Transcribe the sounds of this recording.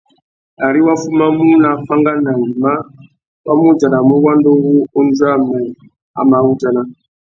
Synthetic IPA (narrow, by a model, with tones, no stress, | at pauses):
a˨ɾi˦wa˦fu˦ma˦mu˦na˨fa˦ŋɡa˦na˨ni˨ma˦ | wa˦mu˦d͡ʒa˨na˨mu˦wa˦ndo˦wu˦o˦nd͡za˦˨ma˨ | a̰˨ma˨˦u˦ta˨na˦